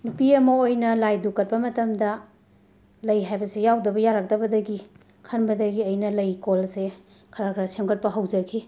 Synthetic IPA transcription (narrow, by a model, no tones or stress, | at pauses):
nupiɐmɐojnɐlajdukɐt̚bɐmɐtɐmdɐ | lɐjɦajbɐsejawdɐbɐjaɾak̚dɐbɐdɐɡi | kʰɐnbɐdɐɡiɐjnɐlɐjkolse | kʰɐɾakʰɾasemkɐt̚pɐɦɐwzɐkʰi